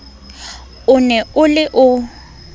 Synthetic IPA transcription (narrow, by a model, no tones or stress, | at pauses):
ʊnɛʊlɪʔʊ